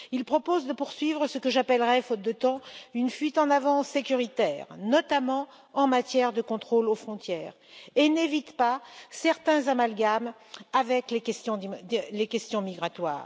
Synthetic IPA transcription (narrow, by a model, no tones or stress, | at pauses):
ilpχɔpozd̪əpuʁsɥivʁəsəkəʒapɛlʁɛfot̪̚d̪ət̪ɑ̃ynfɥit̪ɑ̃navɑ̃sekʲyʁit̪ɛːʁnɔt̪amɑ̃ | ɑ̃mat̪jɛʁd̪əkɔ̃t̪χolofχɔ̃t̪jɛːʁenevit̪pasɛʁt̪ɛ̃zamalɡam | avɛklekɛst̪jɔ̃lekʲɛst̪jɔ̃miɡʁat̪wa̰ːʁ